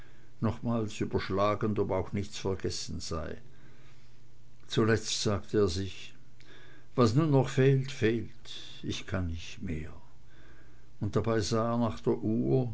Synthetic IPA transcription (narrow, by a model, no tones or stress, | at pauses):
nɔχmaːlsyːbɐʃlaːɡəndɔbaʊxnɪçt͡sfɛɐɡɛsn̩z̥a̰ɪ | t͡sulɛt͡stz̥aːktʰəeːɐzɪç | v̥asnuːnːɔχfeːltfeːlt | ɪçkʰanːɪçtmeːɐ | ʊnt̚d̥abaɪzaːeːɐnaːχd̥eːɐʔuːɐ